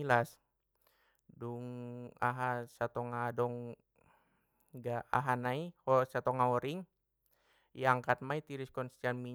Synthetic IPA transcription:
ilas | duŋa̰ɦasat̪ɔŋadɔŋ | ɡaʔa̰ɦanaihɔsat̪ɔŋaɔɾiŋ | jaŋkat̪̚mait̪iɾiskɔnst̪anmi

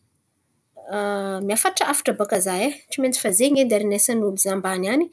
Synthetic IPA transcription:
miafaʈ͡ʂaafḁʈ͡ʂabakazajeʈ͡ʂiment͡si̥fazeɲed̪aɾinesanulizambanani

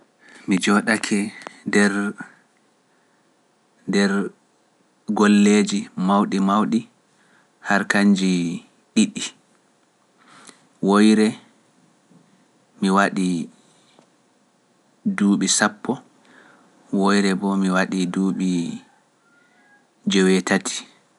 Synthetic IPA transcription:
mid͡ʒɔɗakʰɛdɛɾ | dɛɾ | ɡolːeːd͡ʒimawɗimawɗi | haɾkaɲd͡ʒi | ɗiɗːi | wojɾɛ | miwaɗi | duːɓisapːɔ | wojɾɛbɔmiwaɗiduːɓi | d͡ʒɛwɛtatʰi̥

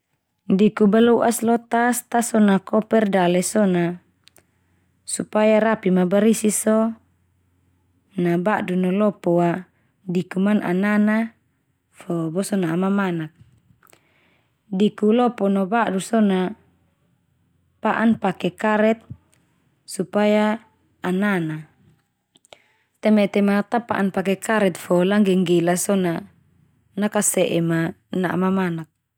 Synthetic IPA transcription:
dikubaluʔaslɔt̪ast̪asɔnakɔpɛrdalɛsɔna | supajaɾapimabaɾisisɔ | nabaʔdunɔlɔpɔwa | dikumanʔa̰nana | fɔbɔsɔnaːmamanak̚ | dikulɔpɔnɔbaʔdusɔna | paʔanpakɛkaɾɛt̪̚ | supajaː | nana | t̪ɛmɛt̪ɛmat̪apa̰ʔanpak̬ɛkaɾɛt̪̚fɔlaŋɡɛŋɡɛlasɔna | nakasɛʔɛma | naʔmamanak̚

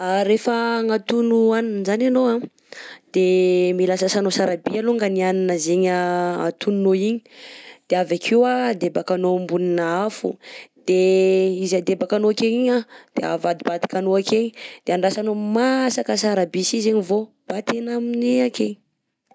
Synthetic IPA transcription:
aɾefəŋat̪unuaninzananowa | d̪̥emilasəsanosaɾabialuŋɡanianinəzeɲəa̰t̪ununoiɲi̥d̪̥eavakʰewad̪ebakanombuninaafṵd̪̥eizad̪ebakanoakeɲiɲad̪̥ea̰vad̪ibad̪i̥kanoakeɲid̪̥eaɳɖ͡ʐasanomasakəsaɾabisizeɲivo | b̥at̪enamineakeɲi

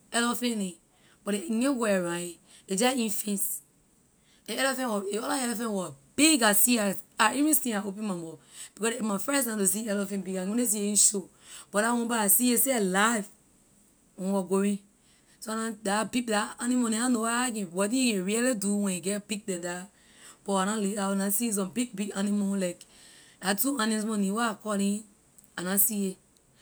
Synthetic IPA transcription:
ɛlɔfɛ̃ni | b̥ɔteŋẽɡoɛɹãjĩ | ed͡ʒaĩnfĩns | eɛlɛfɛ̃nwɔeɔlaɛlɛfɛ̃nwɔbiɡasiaaivĩstĩaopɛ̃mãmɔb̥ikɔsemafɹɛ̃snãtusiɛlɔfɛ̃nbiɡãɡõnes̬ieĩʃo | b̥ɔɾawɔ̃baasieseelaiv | wɛ̃nwɔɡoɹĩ | soanãdabiɡ̚daanĩmonĩanowaak̬ɛ̃wɔtĩjikɛ̃ɹiɛliduwɛ̃niɡɛb̥iɡ̚dɛ̃da | b̥ɔanalianasis̬ɔ̃mbiɡ̚biɡanĩmolaɪkdatuãnĩsmɔ̃nĩwaakɔlĩ | anasie

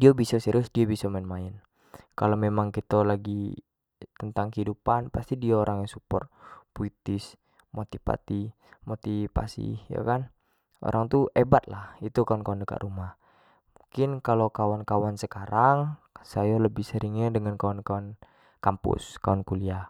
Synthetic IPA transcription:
diabisasɛɾʊsdiabisamainmaɪn | kalomemaŋkit̪olaɡi | t̪ənt̪aŋkəidupanpast̪idiaoɾaŋjaŋsupɔ̰rt̪̚puit̪ɪs | mot̪ipa̰t̪i | mot̪ipa̰sḭja̰kan | o̰ɾʔaŋt̪uʔebat̪̚lahit̪ukawankawandəka̰ʔ̪ɾumah | muŋkɪnkalokawankawansəkaɾaŋ | sajaləbɪhsəɾiŋɛdəŋankawankawan | kampṵskawankulia

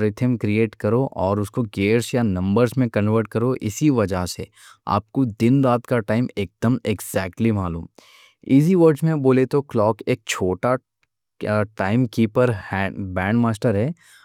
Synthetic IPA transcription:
ɾɪʈ̪ʰəmkɾieːʈkɐɾoʔɔːɾʊskoɡeːɾsjanɐ̃mbəɾsmẽkɐ̃nʋəɾʈ̚kɐɾoʔɪ̰siʋɐd͡ʒaɦsḛ | a̰ːp̚kod̪ɪnɾaːt̪kaʈaːɪmeːk̚d̪əmeɡzɛːk̚ʈlimaːlṵːm | iːziʋəɾɖzmẽboːlet̪oklɔːkeːk̚t͡ʃʰoːʈa | ʈaːɪmkiːpəɾhbɛ̃ːɳɖmaːsʈəɾɦɛː

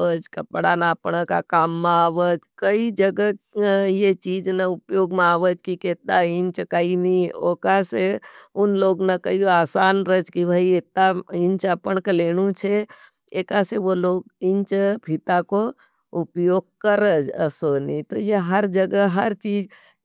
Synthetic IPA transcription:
əd͡ʒkɐpɽanaːpɳəka̰kaːmːeaːʋəd͡ʒkəid͡ʒəɡəjet͡ʃiːd͡ʒnaʊpjoːɡmeaːʋəd͡ʒkikeːt̪aɪnt͡ʃkainioːkaseʊnloːɡnakəiaːsaːnɾəd͡ʒkibʱaiet̪aɪ̃nt͡ʃəpəɳkeleːɽ̃ut͡ʃʰe | eːkaseʋoloːɡɪnt͡ʃpit̪ako | ʊpjoːɡ̚kəɾəd͡ʒə̰sonit̪ojeɦəɾd͡ʒəɡəɦəɾt͡ʃiːd͡ʒ

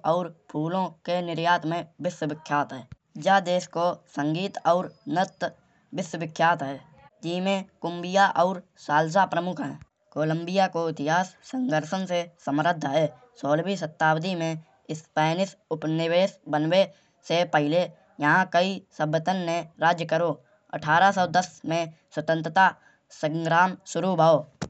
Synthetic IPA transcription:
ɔːɾpʰuːlõkenɪɾjaːt̪mẽbɪswəʋɪkʰːjaːt̪ɦɛː | d͡ʒad̪eːskosə̃ŋɡiːt̪ɔːɾnət̪ | bɪswəbɪkʰːjaːt̪ɦɛː | d͡ʒɪmẽkʊmbɪjaʔɔːɾsaːls̬apɾəmʊkʰɦɛ̃ː | koːlə̃mbijakoɪt̪ɪɦaːsːə̃ŋɡʱəɾʃənsesəmɾəd̪ʱːɦɛː | soːlbis̬ət̪ːaːwd̪imẽ | ɪspɛːnɪsʊpnɪweːsbənwe | sepəɦɪle | jəɦãkəisəbːət̪ənːẽɾaːd͡ʒjəkəɾo | ə̰ʈʰaːɾasɔːd̪əsmẽswət̪ə̃nt̪ɾət̪a | sə̃ŋɡɾaːmsʊɾubaːoː

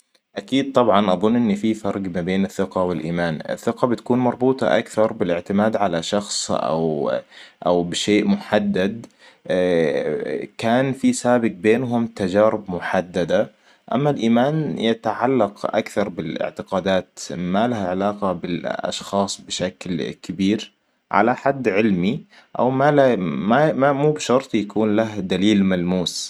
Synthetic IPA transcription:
ʔakiːd̪̚t̪ˤɑbʕɑnʔɑðˤʊnːʔɪnːififɑɾˤɡmabeːnɪθːɪqɑwɪlʔiːmaːnɪ̰θːɪqɑbɪt̪ḁkuːnmɑɾˤbuːt̪ˤɑ̰ʔakθɑɾˤbɪlɪʕt̪ɪmaːd̪ʕalaʃɑxsˤʔa̰w | ʔawbɪʃeːʔmʊħad̪ːad̪ | kaːnfisaːbɪq̚beːnɦʊmt̪ad͡ʒaːɾɪbmʊħad̪ːad̪a | ʔa̰mːalʔiːmaːnjat̪aʕalːɑqʔa̰kθɑɾˤbɪlɪ̰ʕt̪ɪqɑːd̪aːt̪malahʕɪlaːqɑbɪlʔɑ̰ʃxɑːsˤbɪʃaklkɪbiːɾ | ʕa̰laħad̪ːʕɪlmi | ʔa̰wmalmammuːbʃɑɾˤt̪ˤjakuːnlahd̪aliːlmalmuːs

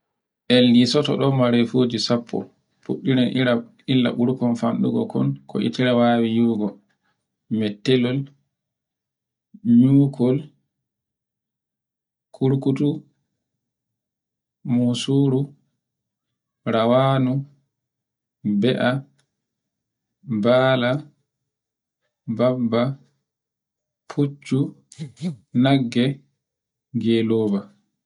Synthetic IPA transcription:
ʔɛlːisɔtɔ̰ɗɔmaɾɛfoːd͡ʒisapʰːɔ̰ | pṵɗːiɾanʔiɾa | ilːa̰ɓuɾkɔnfanɗuɡɔkʰɔ̰nkʰɔ̰ʔḭtiɾawaːwijuɡɔ | mɛtːɛlɔl | ɲuːkʰɔl | kʰuɾkutu | musuːɾu | ɾawaːnu | bɛʔa | baːla | babːa | pʰut͡ʃːu | naɡːɛ | ɡelɔːba

